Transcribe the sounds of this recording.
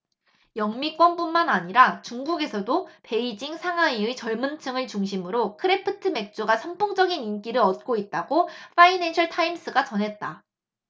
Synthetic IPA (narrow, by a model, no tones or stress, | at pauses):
jʌŋmik͈wʌnpunmanaɲiɾat͡ɕuŋɡuɡe̞sʰʌdope̞id͡ʑiŋsʰaŋaiɯt͡ɕʌɭmɯnt͡ɕʰɯŋɯɭt͡ɕuŋɕʰimɯɾokʰɯɾepʰɯtʰɯme̞k̚t͡ɕ͈oɡasʰʌmpʰoŋd͡ʑʌɡinink͈iɾɯɾʌt̚k͈oit̚t͈aɡopʰainenɕʰʌɭtʰaims͈ɯɡat͡ɕʌnɦe̞t̚t͈a